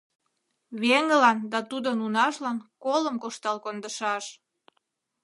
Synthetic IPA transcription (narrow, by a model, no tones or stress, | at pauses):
βeŋəlɑnd̪ɑt̪ud̪onunɑʃlɑnkoləmkoʃt̪ɑlkond̪əʃɑʃ